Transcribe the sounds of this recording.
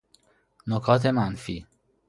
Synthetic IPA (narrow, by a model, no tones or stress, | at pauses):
nokʰɒːt̪ʰe̞mænfiː